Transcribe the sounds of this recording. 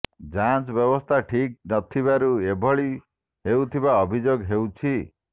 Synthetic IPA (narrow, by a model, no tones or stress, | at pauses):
d͡ʒant͡ʃbjɔbɔst̪ʰaʈʰik̚nɔt̪ʰibaɾuebʱɔɭi | ɦewt̪ʰibaɔbʱid͡ʒoɡɦewt͡ʃʰi